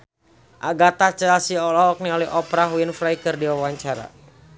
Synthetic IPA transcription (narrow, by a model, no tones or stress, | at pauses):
ʔaɡat̪at͡ʃəasiɔlɔɦɔk̚niɔlɛɦɔpɾaɦwinfɾajkərdiwawaɲt͡ʃaɾa̰